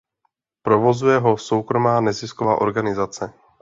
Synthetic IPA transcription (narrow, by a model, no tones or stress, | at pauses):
pɾo̞vo̞zujɛɦo̞so̞wkɾo̞maːnɛzɪskovaːʔo̞ɾɡanɪzat͡sɛ